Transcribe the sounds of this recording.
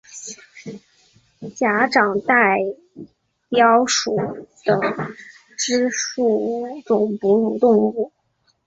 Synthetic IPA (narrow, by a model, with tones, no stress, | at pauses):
t͡ɕja˧˥ʈ͡ʂɑ˨˩ŋt̪a˥˩ɪ | pjɑ˥ʊʂu˨˩t̪ə˨˩ŋ | ʈ͡ʂɻ̩˥ʂu˥˩ʈ͡ʂʊ˨˩ŋpu˧˥ɻu˨˩t̪ʊ˥˧ŋu˥˩